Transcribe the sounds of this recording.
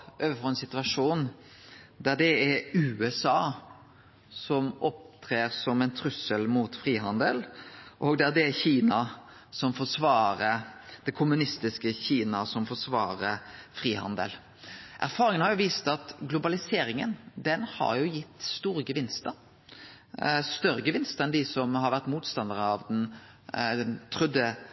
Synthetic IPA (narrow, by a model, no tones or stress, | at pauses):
ʔøːʋəfɔːɛnsɪt̪ʉɑʂuːn | d̪æd̪ɛɛɾʉːɛsɑː | sɔmɔp̚t̪ʰɾeːɾsɔmɛɪnt̪ʰɾʉsəlmuːt̪fɾiːɦɑnd̪əlʔɔɡd̪æd̪ɛçiːnɑsɔmfɔʂʋɑːɾəd̪ɛkʰʊmʉnɪst̪ɪskəçiːnɑsɔmfɔʂʋɑːɾəfɾiːhɑ̰nd̪ə̰l | ʔæ̰ɾfɑːɾɪŋənhɑɾjʊʋiːst̪ɑt̪ɡlʊbɑlɪseːɾɪŋənd̪ɛnhɑ̰ɾjʊjɪt̪ːst̪uːɾəɡəʋɪnst̪ə | st̪œɾəɡəʋɪnst̪əɛnd̪ɪsɔmhɑɾʋæʁt̪muːt̪st̪ɑnd̪əʁəɑʋd̪ɛn | t̪ʰɾʉd̪ə